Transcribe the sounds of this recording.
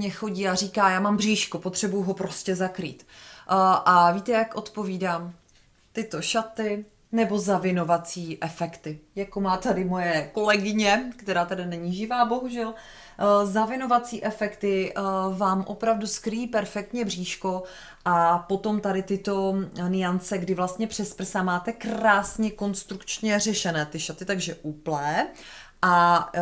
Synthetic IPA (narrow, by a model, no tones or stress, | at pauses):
ɲɛxo̞ɟiːariːkaːjaːmaːmbr̝iːʃkopot̪r̝̥ɛbujuɦo̞pɾo̞scɛzakɾḭːt̪ | ʔaviːt̪ɛjakʔo̞t̪po̞viːdaːm | t̪ɪt̪o̞ʃat̪ɪ | nɛbo̞zavɪno̞vat͡siːʔɛfɛkt̪ɪjako̞maːt̪adɪmo̞jɛko̞lɛɡɪɲɛkt̪ɛɾaːt̪adɪnɛɲiːʒɪvaːbo̞ɦuʒɛl | zavɪno̞vat͡siːʔɛfɛkt̪ɪvaːmʔo̞pɾavduskɾɪjiːpɛɾfɛk̚t̪ɲɛbr̝iːʃko̞ | ʔapo̞t̪o̞mt̪adɪt̪ɪt̪o̞nɪant͡sɛɡdɪvlast̪ɲɛpr̝̥ɛspr̩samaːt̪ɛkɾaːsɲɛko̞nst̪ɾukt͡ʃɲɛrɛʃɛnɛːt̪ɪʃat̪ɪt̪aɡʒɛʔuplɛː | ʔa